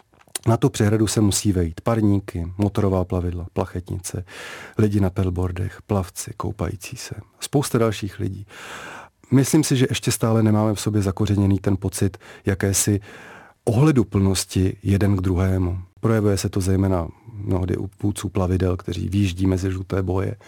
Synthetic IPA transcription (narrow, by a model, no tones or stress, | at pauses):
nat̪upr̥ɛɦɾadusɛmusiːvɛjiːt̪paɾɲiːkɪmo̞t̪o̞ɾo̞vaːplavɪdlaplaxɛt̪ɲɪ̰t͡sɛlɪɟɪnapɛlbo̞ɾdɛ̰xplaft͡sɪko̞̰wpa̰jḭːt͡si̥̰ːsɛspo̞wst̪adalʃiːxlɪ̰ɟiː | mɪsliːmsɪʒɛʔɛʃcɛst̪aːlɛnɛmaːmɛfso̞bjɛzako̞rɛɲɛniːt̪ɛnpo̞t͡sɪt̪jakɛːsɪ | ʔo̞ɦlɛdupl̩no̞scɪjɛdɛnɡd̪ɾuɦɛːmupɾo̞jɛvujɛsɛt̪o̞zɛjmɛːnamnoɦdɪ̰ʔṵvuːt͡suːplavɪdɛlkt̪ɛr̝ḭːvɪjiʒɟiːmɛzɪʒlut̪ɛːbo̞jɛ̰